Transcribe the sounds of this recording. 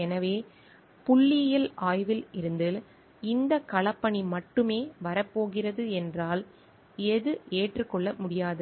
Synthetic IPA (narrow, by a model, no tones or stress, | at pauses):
ɛnɐʋeː | pʊɭːɪjɪlaːjʋɪlɪɾɯnd̪ɪl | ɪnd̪ɐkɐɭɐpːɐɳimɐʈːɯmeːʋɐɾɐpːoːɣɪrɐðɯɛndraːl | ɛðɯʔeːʈrɯkːɔɭːɐmʊɽɪjaːðɯ